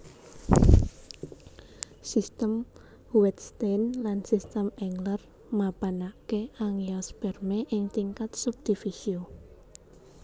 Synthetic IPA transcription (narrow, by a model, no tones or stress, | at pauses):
sist̪əm | wɛt̪st̪enlansist̪əmɛŋlər | mab̥anakeʔaŋjɔsb̥ɛrmeʔɪŋt̪iŋkat̪̚sup̚d̪̥ifisio